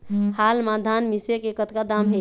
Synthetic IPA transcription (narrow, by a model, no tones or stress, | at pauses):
halmad̪ʱanmisekekət̪kad̪ambʱe